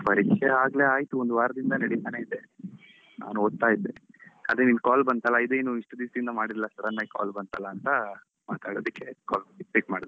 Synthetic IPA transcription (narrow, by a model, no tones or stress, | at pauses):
pɐɾikʂeaːɡle̞aːjt̪uond̪uʋaːɾɐd̪ind̪ɐnɐɽit̪aːne̞id̪e | na̰ːnuoːd̪̚t̪aːjid̪ːe | ad̪ɾeninkaːlbɐnd̪t̪ɐlːɐid̪ueːnuiʂʈɐd̪iːsd̪ind̪ɐmaːɽiɾilːɐst̪ɐɾɐnːaka̰ːlbɐnt̪ɐlːaːnt̪ɐ | maːt̪aːɽoːd̪ikːe̞kaːlbɐiʈiːkmaːɽd̪